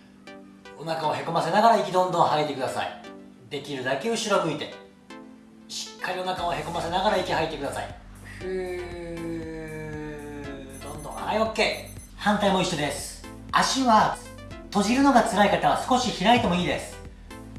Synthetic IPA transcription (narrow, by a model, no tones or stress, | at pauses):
o̞nakao̞he̞ko̞mase̞naɡaɾaikʲid̪õ̞nd̪õhait̪e̞kɯd̪asa̰ḭ | d̪e̞kʲiɾɯ̟d̪ake̞ɯ̟ɕiɾobɯ̟it̪e̞ | ɕi̥kʰːaɾʲio̞nakaohe̞ko̞mase̞naɡaɾaikʲihait̪e̞kɯ̟d̪asa̰ḭ | d̪õ̞nd̪õajokːe̞ː | hãnt̪aimo̞iɕːod̪e̞sɨ̥ | aɕiβa | t̪o̞ʑiɾɯ̟no̞ɡat͡sɨɾaikat̪aβasɨ̥ko̞ɕiçiɾait̪e̞mo̞iːd̪e̞sɨ̥